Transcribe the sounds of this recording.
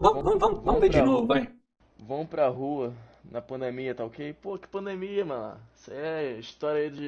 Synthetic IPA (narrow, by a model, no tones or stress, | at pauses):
vɐ̃vɐ̃w̃vɐ̃m̃vɐ̃m̃vẽd͡ʒɪnovʊɐ̃j̃ | vɐ̃w̃pɾɐɦuɐnɐpɐ̃nd̪emiɐt̪aokepoɐkɪ̥pɐ̃d̪emiɐmɐ̃la̰sɛiʃt̪ɔɾjɐid͡ʒɪ